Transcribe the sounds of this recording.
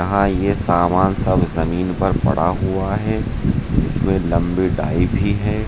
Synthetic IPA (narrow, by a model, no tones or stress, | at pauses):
ɐɦãjesaːmaːnsɐbʱzɐmiːnpɐɾpɐ̰ɽ̤aɦuaɦɛː | d͡ʒɪsmẽlɐ̃mbiɖaːibʱiɦɛː